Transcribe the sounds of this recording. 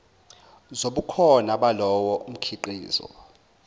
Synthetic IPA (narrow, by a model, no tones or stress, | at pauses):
zoɓukʰɔnaɓalɔwɔʔum̩kʰiǃiːzɔ̰